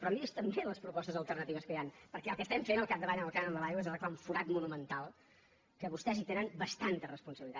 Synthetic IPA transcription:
pɾɔmiest̪əmbeləspɾupɔst̪əzəlˠt̪ərnət̪iβəskəjanpəɾkɛəlˠkəst̪ɛmfenəlˠkap̚d̪əβaɲəəlˠkanənd̪əlajwezəlˠklamfuɾat̪munumənt̪alˠ | kəβust̪ɛzit̪eɾəmbəst̪ant̪ərəspunsəβilit̪a

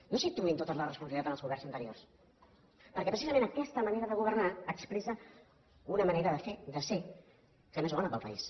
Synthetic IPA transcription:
nosit̪ɾuint̪ot̪əzlərəspunsəβit̪at̪ənəlˠzɣuβɛrnzənt̪əɾiors | pəɾkɛpɾəsizəmẽnəkɛst̪əməneɾəðəɣuβ̞ərnaəksplesə | unəməneɾəðəfed̪əse | semezβɔnəpəlˠpə̰ḭs

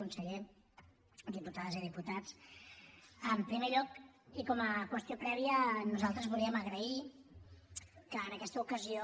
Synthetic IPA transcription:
unsəʎe | d̪iput̪aðəziðiput̪at͡s | əmpɾimeʎɔkikɔməkwəst̪iopɾɛβiənuzalˠt̪ɾəzβulˠiəməɣɾəi | kəːnəkɛst̪əukəzio

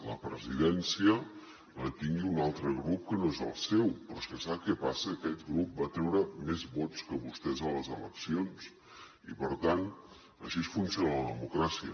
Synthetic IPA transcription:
ləpɾəziðɛnsiə | ət̪iŋɡiunalˠt̪ɾəɣɾup̚kənoezə̰lˠsɛwpɾɔskəsakɛpasəːkɛt̪ɡɾup̚bat̪ɾɛwɾəmezβot̪t͡skəβust̪ɛzələzələksions | ipəɾt̪an | əʃiesfunsionələðəmukɾasiə

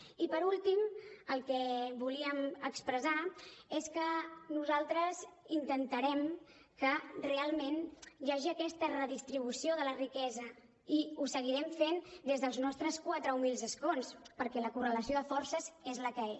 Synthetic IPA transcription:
ipəɾulˠt̪iməlˠkɛβuliəməkspɾəzaeskənuzalˠt̪ɾəzint̪ənt̪əɾɛm | kərealˠmẽnʒaʒiəkɛst̪ərəðist̪ɾiβ̞usioðələrikɛzə | iusəɣiɾɛmfend̪ezðəlˠznɔst̪ɾəskwat̪ɾəumilˠzəskonspəɾkɛləkurələsioðəfɔrsəzezləkəe

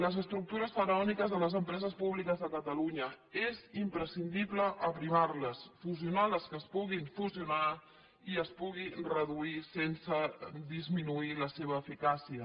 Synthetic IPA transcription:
ləzəst̪ɾuk̚t̪uɾəsfəɾəɔnikəzðələzəmpɾɛzəspuβlikəzðəkət̪əluɲə | ezimpɾəsind̪iβləʔəpɾimarləsfuziunaləskəːspuɣinfuziuna | iəspuɣ̞irəðuisensəd̪izminuiləseβ̞əːfikasiə

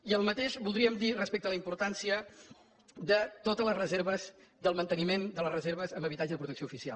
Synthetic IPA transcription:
iəlˠmət̪eʃbulˠd̪ɾiəmd̪irəspek̚t̪ələimpuɾt̪ansiə | d̪ət̪ot̪ələzrəzeɾβəzd̪əlˠmənt̪ənimend̪ələrəzeɾβ̞əzəmbəβit̪ad͡ʒəðəpɾut̪əksioufisia̰l

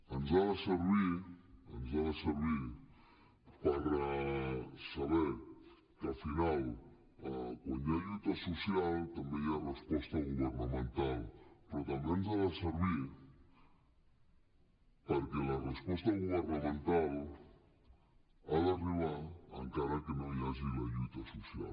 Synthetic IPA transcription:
anzaðaseɾβiɾa̰nzaðaseɾβiɾ | paɾa | saβeɾ | kafinal | akonaʎut̪asosjalt̪ambẽŋarespost̪aɣuβeɾnamẽnt̪alpeɾot̪ɐ̃mbẽnʊzaðɐseɾβiɾ | paɾkelɐrespost̪ɐɣũoɾnamẽnt̪al | aðariβaɾɐ̰ŋkaɾɐkenõwazilɐʎut̪ɐsosja̰l

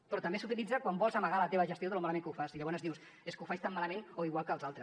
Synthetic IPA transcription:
pɾɔt̪əmbesut̪ilid͡zəkwambɔlˠzəməɣalət̪eβəʒəst̪ioðəlumaləmẽŋkəufaziʎəβɔnzðiws | eskəufaʃt̪amːaləmẽnoiɣwalˠkəːlˠzalˠt̪ɾəs

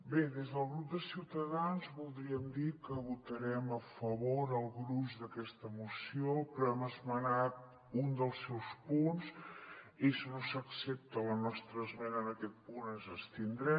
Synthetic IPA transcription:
beðezðəlˠɣɾup̚d̪əsiwt̪əðanzβulˠd̪ɾiəmd̪ikəβut̪əɾɛməfəβoɾəlˠɣɾuʒd̪əkɛst̪əmusiopɾɔɛməzmənat̪ | und̪əlˠsːɛwspuns | eʃnosəksɛp̚t̪ələnɔst̪ɾəzmɛnəːnəkɛt̪̚punənzəst̪ind̪ɾɛ

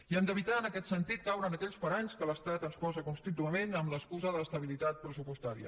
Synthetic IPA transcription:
iənd̪əβ̞it̪aənəkɛt̪sənt̪it̪̚kawɾənəkɛʎspəɾaɲskələst̪at̪ənspɔzəkunst̪it̪uəmenəmləskuzəðəəst̪əβilit̪at̪̚pɾəsupust̪aɾiə̰

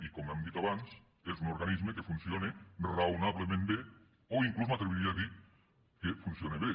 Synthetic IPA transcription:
ikomoemd̪it̪oaβans | esunoɾɣanizmekefunθjonerawnaβlemẽmbe | oiŋkluzmat̪ɾeβiɾiaði | kefunθjoneβe

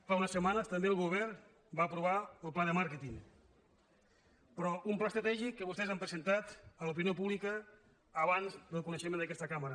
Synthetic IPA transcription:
faunəsːəmanəst̪əmbeəlˠɣuβ̞ɛɾ | baəpɾuβaəlˠplaðəmaɾkət̪iŋ | pɾɔʔumplast̪ɾət̪ɛʒikːəβust̪ɛzampɾəzənt̪at̪əlup̬injopuβlikəː | βanzd̪əlˠkunəʃəmend̪əkɛst̪əkaməɾə

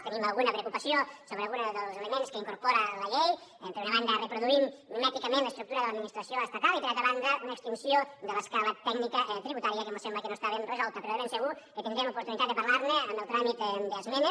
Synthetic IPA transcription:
t̪enimalˠɣunɐpɾeokupɐsiosoβeəalˠɣunaðəlˠzeləmenskəiŋkuɾpoɾalɐʎejempeɾunaβand̪ərepɾuðuimmat̪ikamẽnləst̪ɾuk̚t̪uɾaðəlad̪minist̪ɾɐsioəst̪at̪alipeɾat̪ɾaβand̪əunəekst̪insiod̪ələskalət̪ɛknikɐʔt̪ɾiβut̪aɾiakemosembləkenost̪aβenrəzɔlˠt̪əpɾɔmenseɣukət̪inŋiɡ̪ɾemupuɾt̪unit̪at̪d̪epaɾlaɾneəmbəlˠt̪ɾamit̪d̪əzmene

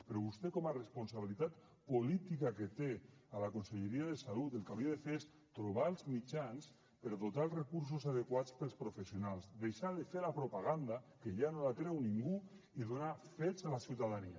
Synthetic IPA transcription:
peɾɔβust̪ekɔmarespunsaβilit̪at̪ | polit̪ikaket̪ealakonseʎeɾiaðesalut̪elˠkawɾiaðefeɾes | t̪ɾuβalˠzmit͡ʃans | pəɾðot̪alˠzrekuɾs̬usaðekwat͡spəlˠspɾofesjonalˠzd̪ejʃaðefeɾlapɾopaɣand̪akeʎanolat̪ɾewniŋɡu | iðonafesalasiwt̪aðania

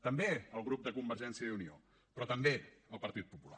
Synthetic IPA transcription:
t̪əmbeəlˠɣ̞ɾup̚d̪əkumbəɾʒɛnsiəunio | pɾɔt̪əmbeəlˠpəɾt̪it̪̚pupula

